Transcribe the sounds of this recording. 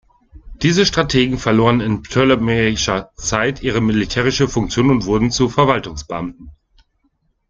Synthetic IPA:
d̥iːzəʃtʁ̥atʰeːɡŋ̩fɛɐloːʁənɪntʰɔlmɛʃɐt͡saɪtʔiːʁ̞əmilitʰeːʁ̞ɪʃəfʊŋk̚t͡sjoːnʊntv̥ʊɐdn̩t͡sufɛɐvaltʊŋsb̥əʔamtn̩

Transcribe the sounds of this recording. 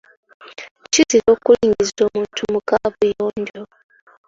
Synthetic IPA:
ciziɾo̞ːkuliːɲɟizizo̞ːmuːntʰumukaβujoːɲɟo

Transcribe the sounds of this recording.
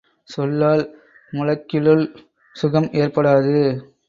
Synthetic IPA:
sɔlːaːl | mʊlɐkːɪlɯɭ | sʊɣɐmʔeːrpɐɽaːðɯ

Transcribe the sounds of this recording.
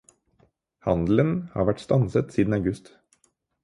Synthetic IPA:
hɑnd̪l̩ənhɑ̰ːɾʋæʈst̪ɑnsət̪siːd̪n̩ɑʉɡʉst̪

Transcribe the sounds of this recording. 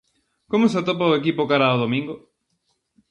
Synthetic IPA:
komos̬at̪op̬aoek̬ipʊkaɾaoðomĩŋɡo

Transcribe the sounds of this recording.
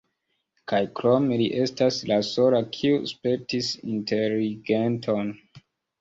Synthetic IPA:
kajkɾo̞me̞liʔe̞staslaso̞lakʰiuspeɾtisḭntʰe̞liɡentʰo̞n

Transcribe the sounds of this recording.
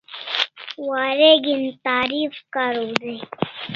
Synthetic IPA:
waːɾeɡint̪aːɾiːfkaɾud̪e

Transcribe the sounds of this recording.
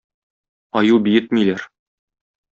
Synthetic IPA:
ɒjubijɘt̪milæɾ

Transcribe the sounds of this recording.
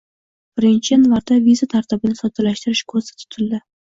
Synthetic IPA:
b̥ɪɾɪnt͡ʃʰɪjanvaɾd̪avizat̪ʰaɾt̪ʰɪbɪnɪsɒt̪ʰɪlaʃt̪ɪɾɪʃkʰozsḁt̪ʰʊ̥t̪ʰɪld̪ɪ

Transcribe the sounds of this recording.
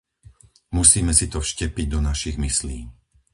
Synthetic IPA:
musiːmɛsit̪ɔfʃcɛpiɟ̚d̪ɔnaʃiɣmisliː

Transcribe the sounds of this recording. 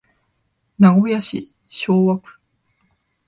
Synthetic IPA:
naɡojaɕḭ | ɕoːβakɯ̥

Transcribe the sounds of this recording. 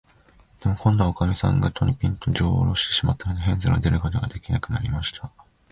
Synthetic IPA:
d̪̥e̞mokõnd̪ookamʲisã̰ŋɡat̪ʰoɲʲipʲĩnt̪o̞d͡ʑoːɾo̞ːɕi̥t̪e̞̥ɕimat̪ːanod̪eɦẽ̞nzɨɾa̰d̪e̞ɾɯ̟ko̞t̪o̞ɡad̪e̞kʲinakɯ̟naɾʲimaɕi̥t̪ʰa

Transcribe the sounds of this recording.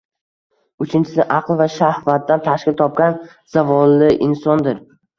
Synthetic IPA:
ʊt͡ʃʰɪnt͡ʃʰɪsɪʔɑqlˠvaʃahvat̪̚ːant̪ʰaʃkʲɪlˠt̪ʰɒp̚kʲan | z̥avɒlːɪʔɪnsɒnd̪ɪɾ

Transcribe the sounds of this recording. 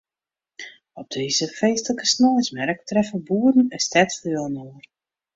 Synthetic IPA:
ɔb̚deːzəfejstələkə̥snɔːɪsmɛrək̚trɛfəbuːədən̩ɛstɛtfəlnoər

